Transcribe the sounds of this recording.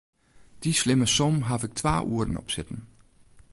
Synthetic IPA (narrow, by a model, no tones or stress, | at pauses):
d̥isleməsɔmɦɑfeɡ̥̚t͡sʰʋɑ̰̈ːʔṵɐd̥n̩ɒ̰b̥sed̥n̩